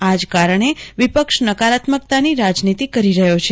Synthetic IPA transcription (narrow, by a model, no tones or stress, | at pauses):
ad͡ʒkaɾəɳeʋipəkʃnəkaɾat̪mək̚t̪aniɾad͡ʒnit̪ikəɾiɾəɦjot͡ʃʰe